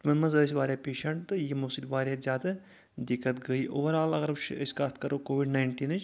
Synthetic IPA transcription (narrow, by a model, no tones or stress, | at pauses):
mɐnmɐzəs̬ʲʋaːɾʲjapeːʃɐɳʈt̪ɨjimoːsilʲʋaːɾʲjazʲjaːd̪a | d̪ikːət̪ɡɐiːʔoːʋɐɾaːlɐɡɐɾt͡ʃʰə̰sʲkaːst̪kɐɾokoːʋiɖnaːɪɳʈiːnɨt͡ʃ